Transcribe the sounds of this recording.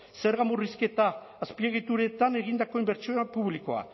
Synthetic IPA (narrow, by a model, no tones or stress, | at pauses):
se̞ɾɣamuriske̞t̪aː | spieɣit̪uɾe̞t̪ane̞ɣind̪ako̞imbe̞ɾt͡ʃioapuβliko̞a̰